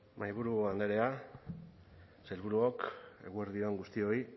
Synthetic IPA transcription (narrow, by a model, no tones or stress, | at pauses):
majβuɾuand̪eɾe̞a | selβuɾuoke̞̰ɣue̞ɾðioeŋɡust̪io̞i